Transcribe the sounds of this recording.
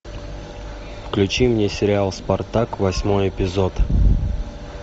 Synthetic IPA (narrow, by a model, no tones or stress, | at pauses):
fklʲʉt͡ɕimnʲesʲɪɾʲɪalˠspɐrt̪akvɐsʲmojɪpʲɪzot̪